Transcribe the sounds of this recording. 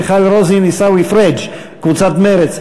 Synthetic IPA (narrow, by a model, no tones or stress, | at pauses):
χalɾɔzinisawifɾɛd͡ʒ | kvut͡sat̪mɛɾɛt͡s